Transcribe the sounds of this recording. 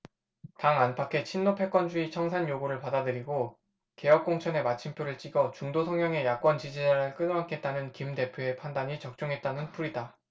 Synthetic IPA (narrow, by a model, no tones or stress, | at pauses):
taŋanpʰakʰe̞t͡ɕʰinːopʰe̞k͈wʌnd͡ʑuit͡ɕʰʌŋsʰaɲjoɡoɾɯɭpadadɯɾiɡo | ke̞jʌk̚k͈oŋt͡ɕʰʌne̞mat͡ɕʰimpʰjoɾɯɭt͡ɕ͈iɡʌt͡ɕuŋdosʰʌŋjʌŋe̞jak͈wʌnt͡ɕid͡ʑid͡ʑaɾɯɭk͈ɯnakʰe̞t̚t͈anɯnkimde̞pʰjoe̞pʰandaɲit͡ɕʌk̚t͡ɕ͈uŋɦe̞t̚t͈anɯnpʰuɾida